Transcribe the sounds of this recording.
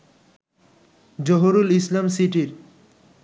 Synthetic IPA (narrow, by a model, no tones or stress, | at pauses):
d͡ʑoɦoɾulislamsiʈiɾ